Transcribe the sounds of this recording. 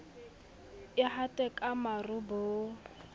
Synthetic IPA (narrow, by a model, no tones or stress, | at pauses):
ɪhatʼɛkʼamarʊboː